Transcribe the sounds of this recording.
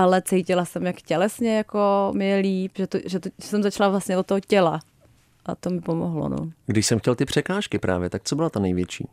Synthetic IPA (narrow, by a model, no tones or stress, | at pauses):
ʔalɛt͡sɛjcɪlasɛmjakcɛlɛsɲɛjakomɪjɛliːpʒɛt̪oʒɛt̪oɛsɛmzat͡ʃlavlasɲɛdot̪oɦocɛla | ʔa̰t̪omɪpomo̰ɦlo̰no̰ɡdɪʃsɛmxcɛlt̪ɪpr̝̥ɛkaːʃkɪpɾa̰ːvjɛt̪ak̚t͡sobɪlat̪anɛjvjɛt͡ʃḭː